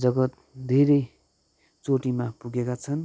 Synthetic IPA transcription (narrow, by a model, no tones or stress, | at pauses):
d͡zʌɡʌt̪̚ | d̪ʱeɾʌj | t͡soʈimapuɡekat͡sʰʌn